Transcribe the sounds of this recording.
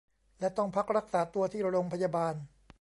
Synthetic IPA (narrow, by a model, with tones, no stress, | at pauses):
lɛ˦˥t̪ɔ˥˩ŋpʰa˦˥k̚ɾa˦˥k̚saː˩˦t̪u˧ɐt̪ʰiː˥˩ɾa˧ɾo˧ŋpʰa˧jaː˧baː˧n